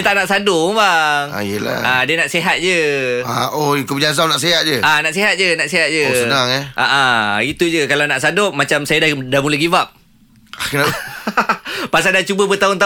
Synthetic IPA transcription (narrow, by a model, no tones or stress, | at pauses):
t̪aʔnaʔsadʊŋbaŋa̰jəla̰adiənaʔseɦat̪̚d͡ʒəaoikud͡ʒas̬anaʔseɦat̪̚d͡ʒəanaʔseɦat̪̚d͡ʒənaʔseɦat̪̚d͡ʒəsənaŋɛʔa̰ʔait̪ud͡ʒəkalawnaʔsadoʔ̚mat͡ʃamsajadadamuləɡivap̚ | na | pas̬aldat͡ʃubəbət̪aʊnt̪a